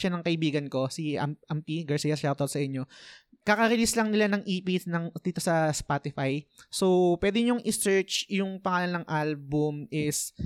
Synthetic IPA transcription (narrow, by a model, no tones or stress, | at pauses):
ʃanɐŋkɐʔɪbiːɡɐnko̞siɐ̰mʔɐmpiɡɐɹsiːjɐsʃat̪olsɐʔɪɲːo̞ | kɐkɐɾɪlislɐŋnɪlanɐŋʔiːpisnɐŋd̪̥iːt̪o̞sɐspat̪ɪfajsopwɛd̪ɪɲoŋʔɪsɛɹt͡ʃjʊŋpɐŋaːlɐnːɐŋʔalbʊmʔɪs